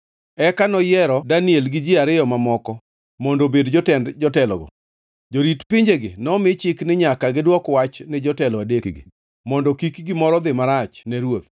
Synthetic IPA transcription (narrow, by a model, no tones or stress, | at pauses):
ɛkanɔjɛɾɔdanielɡɪd͡ʒɪaɾɪjɔmamɔkɔ | mɔndobedd͡ʒɔtɛndd͡ʒɔtɛlɔ̰ɡɔ̰ | d͡ʒoɾitpɪɲd͡ʒeɡɪnɔmɪt͡ʃɪknɪɲakaɡɪdwɔkwat͡ʃnɪd͡ʒɔtɛlɔadek | mɔndɔkikɡɪmɔɾɔd̪ɪmaɾat͡ʃnɛɾwot̪